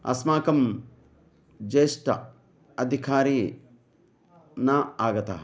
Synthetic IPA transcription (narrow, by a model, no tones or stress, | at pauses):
ɐ̰smaːkɐm | d͡ʒeːʂʈɐ̰ | ɐd̪ʱikʰaːɾiː | nɐaːɡɐt̪ɐ̰ɦɐ